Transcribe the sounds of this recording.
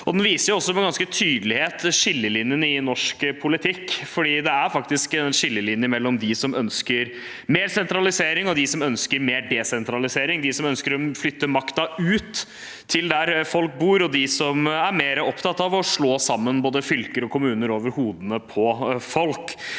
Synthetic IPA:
ɔd̪ɛnʋiːsəɾjʊɔsːɔmɛɡɑnskət̪ʰyːd̪əlɪheːt̪ːʂɪlːəlɪnjənəɪnɔʂkəpʰʊlɪt̪ʰɪkːfɔɖiːd̪ɛæɾfɑkt̪ɪskɛnʂɪlːəlɪnjəmɛlːɔmd̪ɪsɔmœnskəɾ | meːɾsɛnt̪ɾɑlɪseːɾɪŋɔd̪ɪsɔmœnskəɾmeːɾɖɛːsɛnt̪ɾɑlɪseːɾɪŋd̪ɪsɔmœnskəɾɔflʏt̪ːəmɑkt̪ɑʉːt̪ʰː | ɪld̪æɾfɔlk̚buːɾɔd̪ɪsɔmæɾmeːɾəɔpt̪ʰɑt̪ːɑʋɔʂɭoːsɑmːənboːd̪əfʏlkəɾɔkʊmʉːnəɾoːʋəɾhuːd̪ənəpʰɔfɔlk

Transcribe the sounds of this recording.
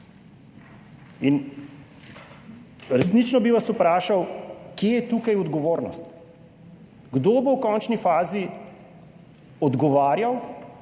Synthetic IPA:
in | ɾɛsnit͡ʃnɔbiʋasupɾaːʃawkjeːjɛt̪ukajɔd̪ɡɔʋoːɾnɔ̰st̪ | ɡd̪oːbowkɔːnt͡ʃnifaːzi | ɔd̪ɡɔʋaːɾjaw

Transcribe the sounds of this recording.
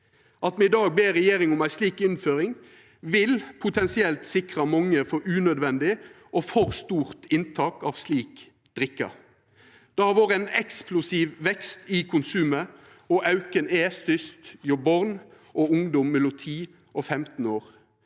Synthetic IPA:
ʔɑt̪mɛɪd̪ɑːɡ̚beːɾɛjeːɾɪŋɔmæɪsliːkɪnføːɾɪŋ | ʋɪlpʰʊt̪ʰɛnsɪɛlt̪sɪkʁɑmɑŋːəfɔʉːnœd̪ʋɛnd̪ɪ | ʔɔfɔʁst̪uːʁt̪ʰɪnt̪ʰɑːkɑːʋsliːk | d̪̥ɾɪkːɑ̰ | d̪̥ɛhɑʋoːʁəæɛnɛksplʊsiːʋʋɛkst̪ɪkʰʊnsʉːmə | ɔʔɑʉkəneːst̪ʏst̪jɔbɔʁn | ʔɔʊŋd̪ɔmːɛlʊt̪ʰiː | ʔɔfɛmt̪n̩oːʁ

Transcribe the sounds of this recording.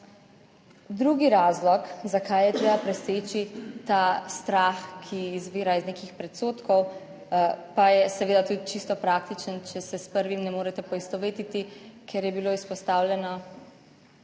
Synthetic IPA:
d̪ɾuɡiɾaːzlɔkzakʰajjɛt̪ɾeːbapɾɛseːt͡ʃit̪ast̪ɾaxkʰiːzʋiːɾaiznekixpɾɛt̪soːt̪kɔw | pajɛsɛʋeːd̪at̪ud̪it͡ʃist̪ɔpɾakt̪it͡ʃənt͡ʃɛsɛspəɾʋimnɛmoːɾɛt̪ɛpɔist̪ɔʋeːt̪it̪ikɛɾjɛbiloːispɔst̪awlʲjɛnɔ

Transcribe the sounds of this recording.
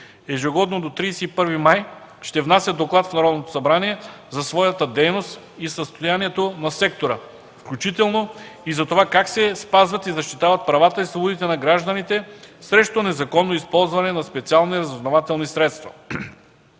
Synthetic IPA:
ɛʒɛɡɔd̪nod̪ot̪ɾijsɛipɤɾvimaj | ʃt̪ɛvnasʲəd̪oklˠat̪fnɐɾɔd̪not̪o̥sɐbɾaniɛ | zɐsvɔjɐt̪əd̪ɛjnost̪ | isəst̪ojaniɛt̪onɐsɛkt̪oɾə | fklʲut͡ʃit̪ɛlˠnoizɐt̪ovakaksɛspazvɐt̪izɐʃt̪it̪avɐt̪̚pɾɐvat̪əislˠubod̪it̪ɛnɐɡɾaʒd̪ənit̪ɛsɾɛʃt̪onɛzɐkɔnːoispɔlˠzvɐnɛnɐspɛt̪sialˠniɾɐzoznovat̪ɛlˠnisɾɛt̪st̪vɐ

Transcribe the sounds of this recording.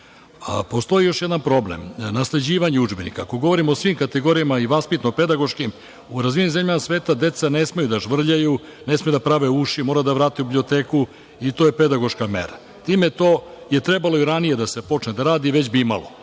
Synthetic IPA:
a̰po̞st̪o̞ijo̞ʃjed̪anpɾo̞blḛmnasle̞d͡ʑiːʋaɲeud͡ʒbenḭkaːko̞ɡo̞ʋo̞ɾimoːsʋimkat̪eɡo̞ɾijamaiʋaspit̪noped̪aɡo̞ʃkim | uɾazʋinizemʎamasʋeːt̪ad̪e̞t̪sane̞smejud̪aʒʋr̩ʎaju | nesmejud̪apɾaʋeuʃimoːɾad̪aʋɾaːt̪iublio̞t̪eːku | it̪o̞ːjeped̪aɡo̞ʃkamḛɾa | t̪iːmet̪o̞ːje̞t̪ɾe̞baloiɾanije̞d̪ase̞po̞t͡ʃned̪aɾaːd̪iʋet͡ɕbiima̰lo̰

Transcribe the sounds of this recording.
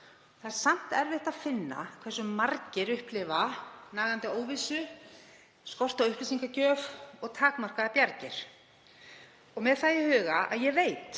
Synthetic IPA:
ɔθaðɛɾ̥sam̥t̪ɛɾvɪht̪aðfɪnːa̰kʰvɛr̥sʏmːaɾcɪɾʏhplɪvanaːɣant̪ɪoːwvisʏ | skɔr̥t̪aʏhplɪsiŋkacœːvɔɣt̪ʰaːkmar̥kaðapjaɾcɪɾ̥ | ɔɣmɛðθajɪhʏːɣaa̰ðjɛveːjt̪

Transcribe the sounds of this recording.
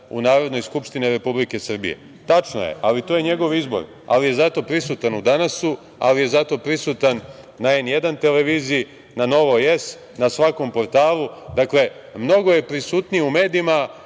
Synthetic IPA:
ṵnaːɾo̞d̪no̞jskupʃt̪iniɾe̞publike̞sr̩bḭe̞̰ | t̪at͡ʃno̰jḛʔalit̪oːje̞ɲe̞ɡo̞ʋizbo̞̰ɾ | a̰lije̞zat̪o̞pɾisut̪anud̪anasu | a̰lije̞zat̪o̞pɾisut̪anː | ae̞nje̞d̪ant̪e̞le̞ʋiːziː | nano̞ʋo̞je̞s | nasʋako̞mpo̞ɾt̪aːlˠud̪akle̞ | mno̞ɡo̞je̞pɾisuːt̪nijeume̞ːd̪iima

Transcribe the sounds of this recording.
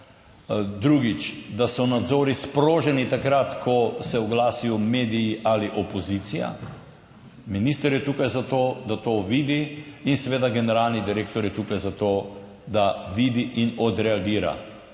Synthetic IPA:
d̪ɾuɡit͡ʃd̪asɔnad̪zoːɾispɾoːʒɛnit̪akɾat̪kʰɔsɛɔɡlaːsijɔmeːd̪ijiʔaliʔɔpɔzit̪sija̰ | minist̪əɾjɛt̪uːkajzat̪oːd̪at̪oːʋiːd̪iinsɛʋeːd̪aɡɛnɛɾalnid̪iɾeːkt̪ɔɾjɛt̪ukajzat̪oː | d̪aʋiːd̪iʔinɔd̪ɾɛaɡiːɾa̰

